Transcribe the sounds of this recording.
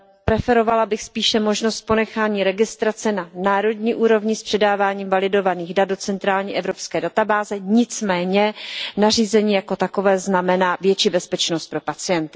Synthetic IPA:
pɾɛfɛɾo̞valabɪxspiːʃɛmo̞ʒnost̪̚po̞nɛxaːɲiːɾɛɡɪst̪ɾat͡sɛnanaːɾo̞dɲiːʔuːɾo̞vɲɪspr̝̥ɛdaːvaːɲiːmvalɪdo̞vaniːɣdadot͡sɛnt̪ɾaːlɲiːʔɛvɾo̞pskɛːdat̪abaːzɛɲɪt͡smɛːɲɛnar̝iːzɛɲiːjako̞t̪ako̞vɛːznamɛnaːvjɛt͡ʃiːbɛspɛt͡ʃnost̪̚pɾo̞pat͡sɪjɛnt̪ɪ̥

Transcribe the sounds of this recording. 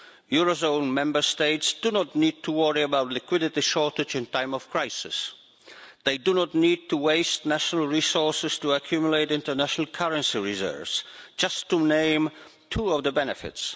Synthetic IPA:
juɹozõʊ̃nmɛ̃mbə˞steɪtsd̥ɨnətⁿnid̚tʰəwɔɹiəbaʊtˡlɪkʰw̥ɪɾɨtiʃɔɹtɨd͡ʒɨ̃ntʰãɪ̃mʌv̥kʰɹ̥aɪsɪ̰s | ðeɪdɨnətⁿnid̚tuweɪstnæʃnəl̩ˠɹisɔɹsɨz̥tuəkʰj̥umjʊleɪtɪ̃ntə˞næʃnəlˠkʰʌɹə̃nsiɹɪzɜ̰˞vz̥d͡ʒʌstʰːunẽɪ̃m | tʰuʌvðəbɛnɨfɪ̰ts

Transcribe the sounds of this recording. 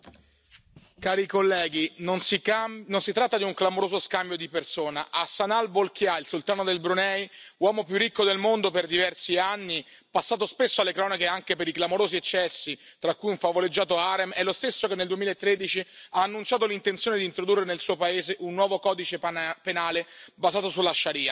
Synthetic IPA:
kaːɾikolːɛːɡinonsianonsit̪ɾat̪ːad̪iuŋklamoɾoːzoskambjod̪ipersoːnaʔasːanalbolkjailsult̪aːnod̪elbɾunɛjwɔːmopjurːikːod̪elmond̪operd̪ivɛrsianːi | pasːaːt̪ospesːoalːekɾɔːnakeaŋkepeɾiklamoɾoːziet͡ʃːɛsːit̪ɾakːujuɱfavoled͡ʒːaːt̪oaɾemɛlːost̪esːokenːeld̪uemilaet̪ːɾed̪it͡ʃiaːnːunt͡ʃaːt̪̬olint̪ent̪sjoːned̪iːnt̪ɾod̪urːenelsuːopaeːzeʔunːwɔːvokɔːd̪it͡ʃepenaːlebazaːt̪osulaʃːaɾiːa

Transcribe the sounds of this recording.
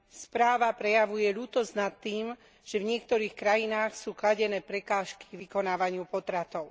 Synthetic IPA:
spɾaːʋapɾɛjaʋujɛʎuːt̪ɔznat̪ːiːm | ʒ̥ɛvɲɪɛkt̪ɔɾiːxkɾajinaːxsuːklaɟɛnɛːpɾɛkaːʃki̥ɡʋikɔnaːʋaɲɪupɔt̪ɾat̪ɔʊ

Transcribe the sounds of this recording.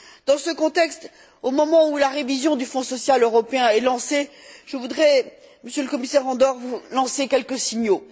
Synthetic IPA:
d̪̥ɑ̃səkɔ̃t̪ɛkst̪ | omɔmɑ̃ulaʁevizjɔ̃d̪yfɔ̃sɔsjaløʁɔpeɛ̃ɛlɑ̃seʒ̥əvud̪ʁɛ | məsjøləkɔmisɛʁɑ̃d̪ɔʁvulɑ̃sekʲɛlkəsiɲo

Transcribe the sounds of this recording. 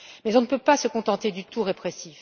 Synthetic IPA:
mɛzɔ̃nəpøpasəkɔ̃t̪ɑ̃t̪ed̪yt̪ʰuʁepχɛsif

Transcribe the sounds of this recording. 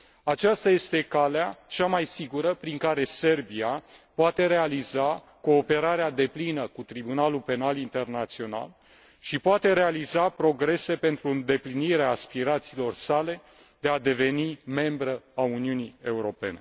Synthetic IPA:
at͡ʃast̪aje̞st̪e̞kaleat͡ʃamajsiɡuɾəpɾiŋkaɾe̞se̞rbiapoat̪e̞ɾe̞aliza | ko̞ːpe̞ɾaɾead̪e̞plinəkut̪ɾibunalupe̞nalint̪e̞rnat̪sio̞na̰l | ʃipoat̪e̞ɾe̞alizapɾo̞ɡɾe̞se̞pe̞nt̪ɾuɨnd̪e̞pliniɾeaːspiɾat̪siːlo̞rsale̞d̪e̞ad̪e̞ve̞nime̞mbɾəauniunie̞uɾo̞pe̞ne̞̰

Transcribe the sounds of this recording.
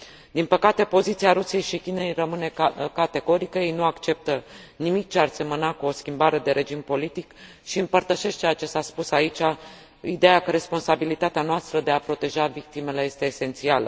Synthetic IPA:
d̪inpəkat̪e̞po̞zit̪siaɾusije̞jʃikʲine̞jrəmɨne̞kat̪e̞ɡo̞ɾikəje̞jnuakt͡ʃe̞p̚t̪ə | nimik̚t͡ʃearse̞mənakuo̞skʲimbaɾe̞d̪e̞ɾʔe̞d͡ʒimpo̞lit̪ik | ʃiɨmpərt̪əʃe̞ʃt͡ʃejat͡ʃe̞saspusait͡ʃʲa | id̪ejakəɾe̞spo̞nsabilit̪at̪eanoast̪ɾəd̪e̞apɾo̞t̪e̞ʒavik̚t̪ime̞leje̞st̪e̞ːse̞nt̪sialə

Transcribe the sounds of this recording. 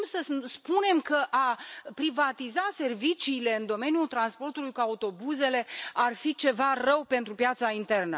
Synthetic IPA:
msəspune̞mkəʔapɾivat̪izase̞rvit͡ʃiːle̞ɨnd̪o̞me̞nijult̪ɾanspo̞rt̪ulujkuaut̪o̞buze̞le̞arfit͡ʃe̞varəwpe̞nt̪ɾupjat̪saint̪e̞rnə̰

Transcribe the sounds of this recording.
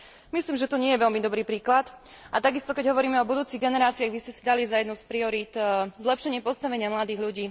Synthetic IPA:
misliːmʒɛt̪ɔɲɪɛjɛʋɛlmid̪ɔbɾiːpɾiːklat̪ | ʔat̪aɡist̪ɔkɛɟɦɔʋɔɾiːmɛɔbud̪uːt͡siɣɡɛnɛɾaːt͡siaɣbiscɛsid̪alizajɛd̪nuʊspɾiɔɾiːt̪zlɛpʃɛɲɪɛpɔst̪aʋɛɲɪamlad̪iːɣʎuɟiː

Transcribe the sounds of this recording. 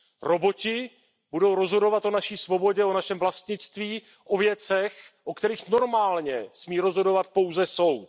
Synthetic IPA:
ɾo̞bo̞cɪ | budo̞wɾo̞zɦo̞do̞vat̪ʔo̞naʃiːsvo̞bo̞ɟɛo̞naʃɛmvlast̪ɲɪt͡st̪viː | ʔovjɛt͡sɛxʔokt̪ɛɾiːxno̞ɾmaːlɲɛsmiːɾo̞zɦo̞dovat̪̚po̞wzɛso̞wt̪

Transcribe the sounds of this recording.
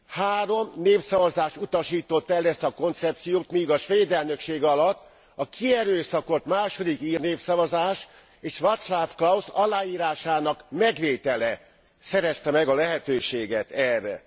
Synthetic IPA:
haːɾo̞mneːfsɒvɒzaːʃut̪ɒʃiːt̪o̞t̪ːɛlɛst̪ɒko̞nt̪sɛp̚t̪sijoːt̪mijɡɒʃʋeːd̪ɛlnø̞kʃeːɡɒlɒt̪ː | ɒkʰiɛɾøːsɒko̞t̪maːʃo̞d̪ikiːrneːfsɒvɒzaːʃ | eːʃʋɒt̪slaːfklɒusɒlaːiːɾaːʃaːnɒkmɛɡʋeːt̪ɛlɛ | sɛɾɛst̪ɛmɛɡɒlɛɦɛt̪øːʃeːɡɛt̪ʰɛrːɛ̰

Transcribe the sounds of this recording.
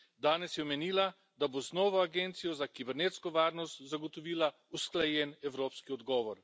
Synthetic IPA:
d̪aːnɛsjɛmɛniːla | d̪aboznɔːʋɔaɡeːnt̪sijɔzakibɛɾneːt̪skɔʋaːɾnɔst̪zaɡɔt̪ɔʋiːla | usklajɛnɛwɾoːpskiɔd̪ɡɔːʋɔɾ

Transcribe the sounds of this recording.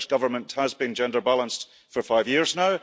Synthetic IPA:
ʃɡ̥ʌvə˞mə̃nʔhəzbĩnd͡ʒɛ̃ndə˞balˠə̃nst | fə˞faɪvjɪɹznaʊ

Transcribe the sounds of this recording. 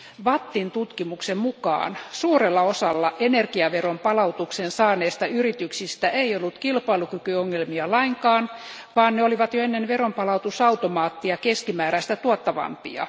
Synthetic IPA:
ʋɑt̪ːint̪ut̪kimuksemmukɑ̰ːnsuːrelːɑosɑlːɑʔenerkiɑʋerompɑlɑut̪uksensɑːneːst̪ɑyrit̪yksist̪æʔeiolːut̪kilpɑilukykyoŋːelmiɑlɑiŋkɑːn | ʋɑːnneoliʋɑt̪joenːenʋerompɑlɑut̪usɑut̪omɑːt̪ːiɑkeskimæːɾæst̪æt̪uot̪ːɑʋɑ̰mpḭɑ̰

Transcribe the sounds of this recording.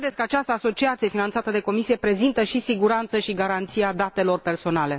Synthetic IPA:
d̪et̪sʲkəat͡ʃast̪əaːso̞t͡ʃiat̪sije̞finant̪sat̪əd̪e̞ko̞misije̞pɾe̞zint̪əʃisiɡuɾant̪səʃiɡaɾant̪sijad̪at̪e̞lo̞rpe̞rso̞nale̞

